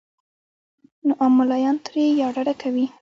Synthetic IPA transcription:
noʔamʊlɑjɑnt̪ɾejɑɖaɽakawi

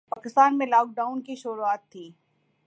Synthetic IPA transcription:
paːkɪst̪aːnmẽlaːk̚ɖaːʊnkiʃʊɾuaːt̪ʰːiː

